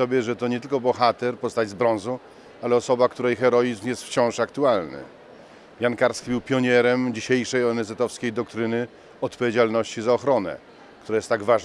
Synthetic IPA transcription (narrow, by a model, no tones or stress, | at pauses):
ɔbʲjɛʐɛt̪ɔɲɛt̪ɘlkɔbɔxat̪ɛɾpɔst̪ad͡ʑzbɾɔ̃nzu | alɛɔsɔbakt̪uɾɛjxɛɾɔjizmjɛst̪ft͡ɕɔ̃w̃ʂakt̪ualnɘ̰ | jankaɾskʲibɘwpʲjɔɲɛɾɛmd͡ʑiɕejʂɛjɔnɛzɛt̪ɔfskʲejd̪ɔk̚t̪ɾɘnɘ | ɔt̪pɔvʲed͡ʑalnɔɕt͡ɕizaɔxɾɔnɛ̰ | kt̪uɾajɛst̪ːaɡvaʐ